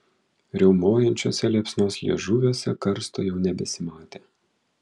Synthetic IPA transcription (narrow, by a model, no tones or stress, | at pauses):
ɾʲɛʊmoːjɛnʲt͡ʃʲo̰ːsʲɛlʲɛpʲsnoːsjɛ̰ʒuʋʲoːsʲɛkɐɾst̪ojɛʊnʲɛbʲɛsʲɪmɑːt̪ʲeː